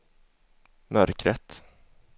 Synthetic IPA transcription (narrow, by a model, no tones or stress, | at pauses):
mœɾkɾɛt̪